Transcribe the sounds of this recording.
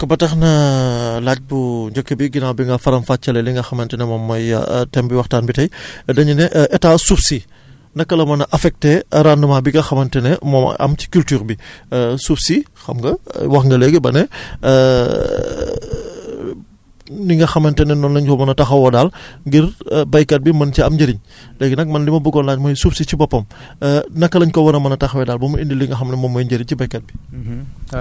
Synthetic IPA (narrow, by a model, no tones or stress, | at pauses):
kɐbɐtɐxnɐlaːc̚buɲd͡ʒɐkːɐbiɡinaːwbiŋɡɐfɐɾɐmfaːt͡ʃːɐlɛliŋɡɐxɐmɐntɛnɛmɔmːɐjɐ̰tɛmbiwɐxtaːnbitɐjdɐɲunɛʔʔɛtaːsupsi | ndɐkːɐlɐmɐnɐʔɐfɛk̚tɛɾaːnːɐmaːbiɡɐxɐmɐntɛnɛmɔm̰ɐ̰mt͡ʃi̥kyltyːrbisupsixɐ̰mɡɐwɐxŋɡɐlɛɡɛbɐnɛ | niŋɡɐxɐmɐntɛnɛnɔnlɐɲkɔmɐnɐtɐxɐwɔdaːlŋɡirbɐjkɐt̚bimɐnciɐmɟɐɾiɲ | lɛːɡenɐk̚mɐnlimɐbukɔnlaːɲmɔːjsupsicibɔpːɐm | nɐkːɐlɐɲkɔwɐnɐmɐnɐtɐxɐwɛdaːlbɔmindilːiŋɡɐxɐmnɛmɔmːɔjnɟɐɾiɲcibɐjkɐt̚bi